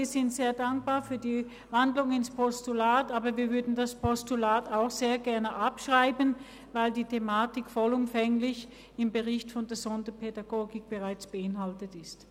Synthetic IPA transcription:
viːɐzɪntz̥eːɐdaŋk̚b̥aːɐfyːɐdiː | vandlʊŋɪnspʰɔstulaːtaːbɐviːɐvʏɐdn̩daspʰɔstulaːtaʊxz̥eːɐɡɛɐnəʔapʃʁ̥aɪbən | vaɪldiːtʰemaːtɪkfɔlʊmfɛŋlɪç | ɪmbəʁɪçtfɔndeɐzɔndəpʰedaɡ̥oːɡɪk̚b̥əʁaɪt͡sb̥əɪnɦaltətɪst

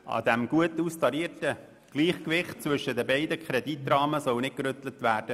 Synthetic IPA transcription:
ʔɑ̰d̪æmɡ̥uətust̪ɑɾiərtə | ɡ̥liːχkvɪχt̚t͡sʋʏʃːədəbɛɪd̪əkχɾɛd̪it̪ɾɑːməsɔwnɪ̥kɾʏt̪lətvæːrd̥ə

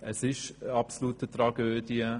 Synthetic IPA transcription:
ʔəsɪʃɑpsoluːtətɾɑɡøːd̥iə

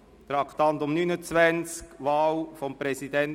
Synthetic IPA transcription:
t̪ɾɑkt̪ɑnt̪ʊmnynət͡svænt͡skʋaːlfɔmpɾɛsidɛn

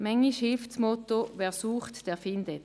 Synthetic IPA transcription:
mɛŋiʃhɪlftsmɔt̪oʋɛːɐsuːχtd̥ɛːɐfɪndət

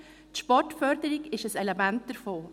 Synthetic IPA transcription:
tʃpɔtfœɾdəɾɪɡɪʃəsɛlɛmænt̚d̥əɾfoː

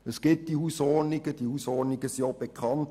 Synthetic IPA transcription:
əsɡ̥ɪt̚d̥ihuːsɔrniɡəd̥ihuːsɔniɡəsiob̥ekʰχɑnt

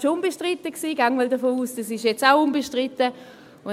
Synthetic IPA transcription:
ʃʊnbɛʃtʁɪtəksiːɡaŋmɔldɐfoːuːsd̥asɪʃjɛt͡saʊʊnbɛʃtʁɪtə | ʊ

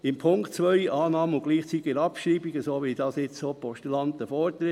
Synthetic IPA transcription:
ɪmpʰʊŋktt͡sʋœɪjʔɑːnɑːməʊɡ̥liːχt͡sit̪ɪɡɾɑpʃɾiːbiɡəsoːʋid̥ɑːsɪt͡ssoːpɔʃtulɑnt̪əfɔːɾt̪ɾɪ

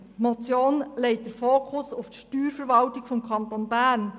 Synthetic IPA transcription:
mot͡sjoːnleɪt̚d̥əɾfoːkʰʊsuftʃtyːɾfəɾʋɑltɪkfɔmkʰɑntonbæːɾn

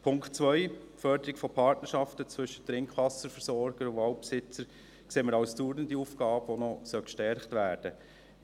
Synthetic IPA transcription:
pʰʊŋktt͡svœʏfœɾdəɾɪkfɔpʰɑɾtnəɾʃɑftət͡svʏʃːətɾɪŋkχʋɑsəɾfəɾsɔɾɡ̥əɾʊɑʊpsɪt͡səɾ | kseːməɾɑʊsduːɾdəndiufɡ̥ɑːbʋɔnɔsœlkʃtɛɾχtʋæːɾd̥ə

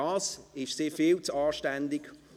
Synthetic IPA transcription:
ɑːsɪʃsɪːfɪlt͡sɑːʃtɛndɪɡ

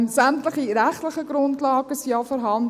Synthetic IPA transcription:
nsæmtlɪχiɾæχtlɪχəɡ̥ɾʊntlɑːɡəsjɑːfɔɾɦɑnd

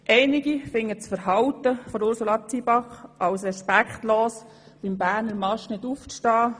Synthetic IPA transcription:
ʔɛɪnɪɡifɪŋːət͡sfəɾhɑwt̪əfɔdʊɾsolɑt͡sibɑχʔɑwsɾɛʃpækχt̪loːs | b̥ɪmbæːɾnəɾmɑʃnɪdufʃtɑː

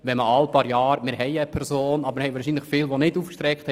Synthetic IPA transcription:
ʋɛməɑlpɑːɾjɑːɾmɪːɾhɛɪəpʰɛɾzoːnɑbəməhɛjʋɑːɾʃiːnləχfɪːlʋonɪduːfkʃtɾɛkχt̪hɛ

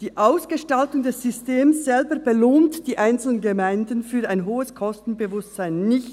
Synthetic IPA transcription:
d̥iːʔaʊsɡ̥əʃtaltʊŋdɛsːʏsteːmsz̥ɛlbəb̥eloːntd̥iːʔaɪnt͡sl̩ənɡəmaɪndənfyːaɪnɦoːəskʰɔstn̩bəvʊstz̥aɪnːɪçt

